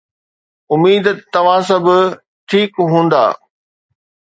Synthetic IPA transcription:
ʊmiːd̪t̪ɐʋ̤ãs̬ɐbʊ | ʈʰiːkɦũːn̆d̪a̰ː

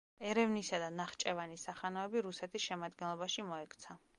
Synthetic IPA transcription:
ɛɾɛvnisad̪anaχt͡ʃʼɛvanisaχanɔɛbiɾusɛt̪ʰisʃɛmad̪ɡɛnlˠɔbaʃimɔɛkʰʼt̪sʰa

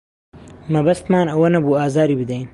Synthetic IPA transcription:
mɐbɐst̪mɑːnɐwɐnɐbuaːzaːɾiːbɨd̪ɐjn

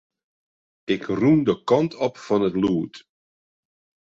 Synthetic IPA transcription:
ɪkrumdəkɑntɔpfɑnətluːt

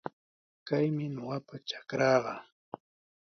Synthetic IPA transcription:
kajmɪnoɢapat͡ʃḁkɾɑːɢɑ

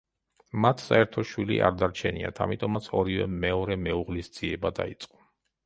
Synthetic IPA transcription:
mat̪ʰsa̰ɛɾt̪ʰɔʃwilḭʔa̰ɾd̪aɾt͡ʃʰɛnia̰t̪ʰa̰mit̪ʼɔmat̪sʰɔɾivɛ̰mɛɔɾɛmɛuʁlisd̪z̥iɛbad̪a̰it̪sʼqʼɔ̥

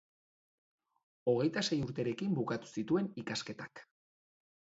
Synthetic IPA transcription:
o̞ɣ̞e̞jt̪ase̞juɾt̪e̞ɾe̞kimbukat̪u̥sit̪ue̞nikaske̞t̪ak

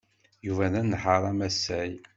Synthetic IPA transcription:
juvænænːħəɾˤæmæsːæj

